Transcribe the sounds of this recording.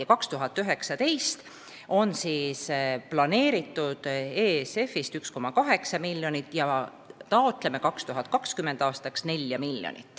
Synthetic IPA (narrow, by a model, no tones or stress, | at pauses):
kɑkst̪uɦɑt̪ːˑyɦe̞ksɑt̪e̞jst̪ | o̞nsiːsplɑne̞ːɾit̪ːˑud̪̥eːse̞fːist̪yksko̞mːɑkɑɦe̞ksɑmilʲːjo̞nit̪ːˑjɑ | t̪ɑot̪ˑle̞me̞kɑkst̪uɦɑt̪̚kɑkskyme̞nd̪ɑːst̪ɑksne̞lʲjɑmilʲːjo̰nḭt̪ːˑ